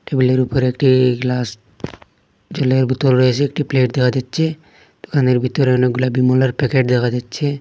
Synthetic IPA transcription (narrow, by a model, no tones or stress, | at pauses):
ʈebileɾupəɾekʈiɡlaːs | d͡ʒɐleɾbʱit̪olɾəɦet͡ʃeeːkʈipleːʈ̚d̪ekʰad͡ʒat̪ːt͡ʃʰe | d̪̥ukʰaːneɾbit̪ːoɾneɡʊlaːbimoləɾpɛkeʈ̚d̪ekʰad͡ʒat̪ːt͡ʃʰe